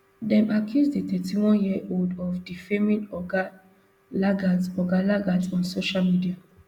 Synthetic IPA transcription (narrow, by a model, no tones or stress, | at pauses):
dɛ̃mʔakʰjusdet̪ɛtiwɔ̃njiəʔoldɔfdifɛmĩnɔɡa | laɡaɔɡalaɡasɔ̃nsoʃalmidia